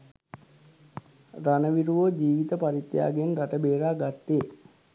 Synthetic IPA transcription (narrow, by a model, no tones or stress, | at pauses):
ranəʋiɾuʋod͡ʒiːʋit̪əpaɾit̪ːja̰ːɡenraʈəbeːɾaːɡat̪ːe